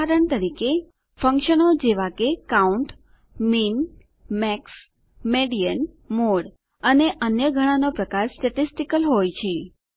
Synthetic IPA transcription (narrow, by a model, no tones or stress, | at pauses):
aɾəɳt̪əɾike | fə̃ŋkʃənod͡ʒeʋakekauɳʈ | min | mɛks | meɽijən | moɽ | əneʔənjəɡʱəɽ̃anopɾəkaɾsʈəʈisʈikəlɦojt͡ʃʰe